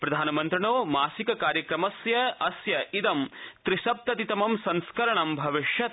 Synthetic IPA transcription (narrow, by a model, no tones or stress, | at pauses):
pɾɐd̪ʱaːnɐmɐnt̪ɾɐɳoːmaːsikɐkaːɾjɐkɾɐmɐsjɐɐsjɐʔid̪ɐmt̪ɾiʃɐp̚t̪ɐt̪it̪ɐmɐmsɐ̃nskɐɾɐɳɐmbʱɐʋiʂjɐt̪